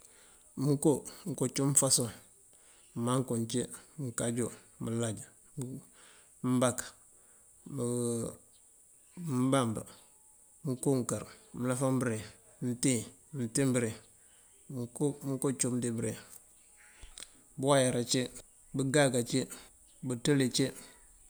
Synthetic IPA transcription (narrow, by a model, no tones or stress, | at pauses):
muŋkoŋ̩kot͡ʃumfaso | maŋkont͡ʃemiŋkad͡ʒo | məlad͡ʒ | mbak | m | mbamba̰ | m̩kuŋkaɾməlafambɾe | n̩ti | mtimbəɾe | kmkot͡ʃumdibɾe | bwajaɾat͡ʃe | bəɡaɡat͡ʃe | butəlet͡ʃe